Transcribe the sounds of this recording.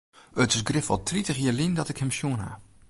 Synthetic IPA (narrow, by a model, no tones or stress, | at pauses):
ətɪsɡrɪfɔ̰lˠtʰritəχjəlindɔtɪkhɛmsjuənɦa̰